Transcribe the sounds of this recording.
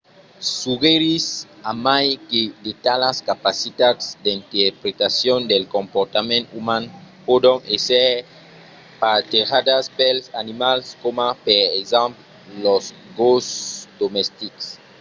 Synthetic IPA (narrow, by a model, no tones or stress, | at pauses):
suɣeɾisamajked̪et̪alaskapasit̪ad̪sd̪int̪eɾpɾet̪asjond̪elkompoɾt̪amẽnt̪umanpod̪oŋeseɾ | pat̪eɾad̪aspelsanimalskomapeɾezãmp | loz | ɡosd̪omɛst̪iks